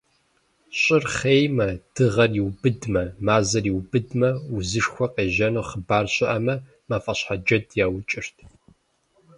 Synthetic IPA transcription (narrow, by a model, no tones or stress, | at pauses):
ɕʼɪrχeːjmɐd̥ɨʁɐriwbɨdmɐmaːzɐriwbɨdmɐʊzɨʂxʷɔqʼeːʒɐnoːχəbaːrɕʼɪʔɐmɐ | maːfʼɐɕħad͡ʒɐdʰʼjaːwt͡ʃʼɪrtʰ